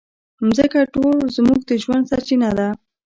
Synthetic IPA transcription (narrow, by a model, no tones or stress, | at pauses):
mzəkaʈolzmuɡ̚d̪əʒwand̪saɾt͡ʃinad̪a